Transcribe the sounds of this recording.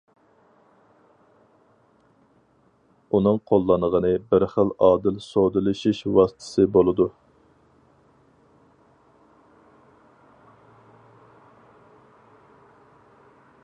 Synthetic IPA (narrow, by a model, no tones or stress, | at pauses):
unɨŋqʰolˠːɑnəʁənɨbɪɾχəlɑːd̪ɪlsod̪ɨlɨʃiʃwɑsɨ̥t̪ʰɨ̥sɨbolˠɨd̪u